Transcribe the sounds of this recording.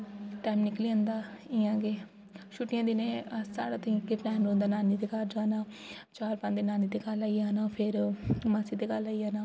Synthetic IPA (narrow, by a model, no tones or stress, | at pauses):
ʈaːmnɪkliːə̃nd̪aːɪjãːɡeː | ʃʰʊʈɪjãːd̪iːnẽːsa̰ːɽaːt̪ːkeplɛːnɾõːnd̪aːnaːniːd̪eːkaɾd͡ʒaːnaːt͡ʃaːɾpãːnd̪eːnaːniːd̪eːkalaːiaːnaːpʰɪɾmaːsiːd̪eːɡəlaːiaːnaː